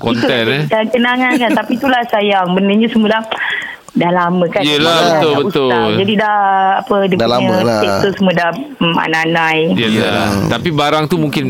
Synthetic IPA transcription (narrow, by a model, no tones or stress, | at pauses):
kɔint̪uɛnakənaŋankant̪apit̪ulahsajaŋbənəɲəsəmulah | dahlaməkanjəlabət̪ʊlbəut̪ʊld͡ʒadidahapədəəeusəmuədahma̰naanãjiəlat̪apibaɾaŋt̪umuŋkɪn